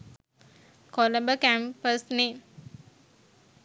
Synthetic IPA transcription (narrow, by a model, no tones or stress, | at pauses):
koləbəkæmpəsne